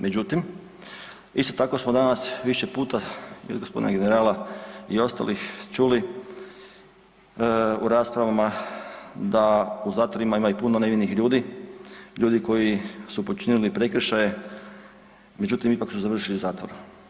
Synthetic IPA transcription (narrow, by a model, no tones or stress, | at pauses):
mʔe̞d͡ʒut̪im | ist̪o̞t̪ako̞smod̪anasʋiʃe̞puːt̪aio̰ɡospo̞d̪ḭnaɡe̞neɾaːlaio̞st̪a̰lixt͡ʃuli | uɾaːspɾaʋama | d̪auzaːt̪ʋo̞ɾimaimajupunoneʋinixʎuːd̪i | ʎuːd̪iko̞jisupot͡ʃinilipɾe̞kɾ̩ʃaje | me̞d͡ʒut̪imipaksmozaʋr̩ʃiliuzaːt̪ʋoɾu